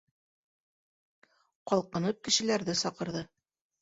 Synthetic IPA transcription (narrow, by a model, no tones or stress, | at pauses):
qɒlˠqɤ̆nɤp̚kɘ̆ʃɘ̆læɾðɘsɒqɤ̆ɾðɤ